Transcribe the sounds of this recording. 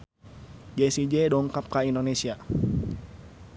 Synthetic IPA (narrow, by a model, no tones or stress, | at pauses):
d͡ʒɛsid͡ʒɛdɔŋkap̚kaindonesia